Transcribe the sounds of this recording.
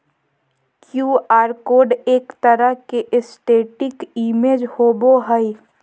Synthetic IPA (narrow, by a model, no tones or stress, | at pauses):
kjuːaːɾkoːɖeːkt̪əɾəɦkeʔɪsʈeːʈɪkiːmeːd͡ʒhoːboɦəi